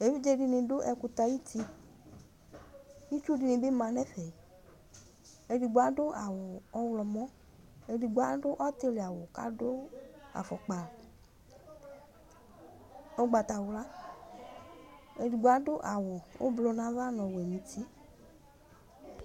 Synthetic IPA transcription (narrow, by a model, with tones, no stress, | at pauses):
e˨vi˦d͡ʒe˦ɖi˧ne˨ɖʊ˦ʔɛ˨ku˧t̪a˧ji˦t̪i˧ | i˦t͡ʃu˦di˨nẽ˨be˦mã˨nɛ˦fɛ˨ | e˨di˨ɡ͡ba˦ɖʊ˦a˨wɔ˨ɔ˦wlɔ˨mɔ̃˦ | e˨di˨ɡ͡ba˦ɖʊ˦ʔɔ˦t̪e˦le˨a˨wɔ˨ka̰˦do˦a̰˨fɔ˨k͡pa˨l | o˦ɡ͡ba˨t̪a˨wʊ˨la˦ | e˨di˨ɡ͡ba˦do˦ʔa˨wɔ˨wo̰˦blɔ˨nã˨va˦nɔ̃˨wɛ˨mĩ˨t̪ʰi˦